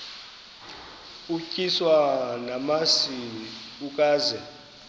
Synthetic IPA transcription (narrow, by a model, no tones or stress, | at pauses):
ucʼiswanamasiniuk̬ʼaːzɛ